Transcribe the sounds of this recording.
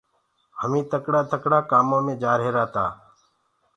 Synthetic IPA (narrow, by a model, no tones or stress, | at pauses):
həmĩːt̪əkɽaːt̪əkɽaːkaːmãːmẽːd͡ʒaːɾɦeːɾaːt̪aː